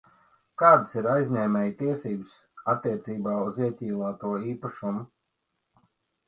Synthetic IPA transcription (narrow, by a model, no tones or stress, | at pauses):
kaːd̪siɾajzʲnʲɛːmʲɛjt̪iɛsiːbɨs | at̪ːiɛt̪siːbaːuziɛt̪ʲiːlˠaːt̪uɔiːpaʃumu